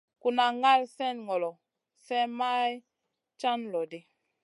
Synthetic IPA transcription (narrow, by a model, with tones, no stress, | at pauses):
ku˨na˨ŋa˦lsɛ˦nŋɔ˨lɔ˨ | sɛ˦ma˦j | t͡ʃa˦nlɔ˨di˦